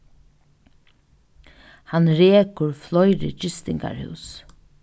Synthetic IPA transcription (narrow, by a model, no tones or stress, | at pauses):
hanɾeːkʊɹflɔjɾɪ̰t͡ʃɪst̪ɪŋka̰ɾhʉ̰ws